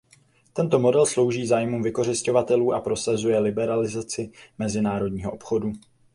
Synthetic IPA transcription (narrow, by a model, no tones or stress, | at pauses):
t̪ɛnt̪o̞mo̞dɛlslo̞wʒiːzaːjmuːmvɪko̞r̝ɪsco̞vat̪ɛluːʔapɾo̞sazujɛlɪbɛɾalɪzat͡sɪmɛzɪnaːɾo̞dɲiːɦo̞ʔopxo̞du